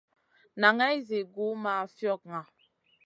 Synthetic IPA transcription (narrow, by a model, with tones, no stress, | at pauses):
na˨ŋɛ˦zi˨ɡu˨˦ma˨fjɔ˦˨k̚ŋa˨